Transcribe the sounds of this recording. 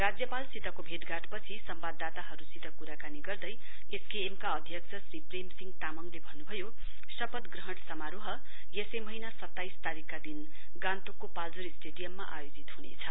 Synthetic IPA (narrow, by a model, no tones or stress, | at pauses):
rad͡zjʌpalsit̪ʌkobʱeʈ̪ɡaʈpʌt͡sʰisʌmbad̪ːat̪aɦʌɾusit̪ʌkuɾakaniɡʌrd̪ʌj | eskeːmkaʌd̪ʱjʌkt͡sʰʌsripremsiŋɡt̪amʌŋlebʱʌnːubʱʌjo | sʌpʌt̪ɡrʌɦʌʈsʌmaɾoɦʌ | jesemʌɦinasʌt̪ːajst̪aɾikːad̪in | ɡãnt̪okːopald͡zoɾisʈeɖijʌmːaʔajod͡zit̪ɦunḛt͡sʰʌ